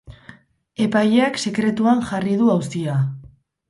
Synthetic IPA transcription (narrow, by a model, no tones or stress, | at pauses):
e̞pajakse̞kɾe̞t̪uanʝariðuawst̪ia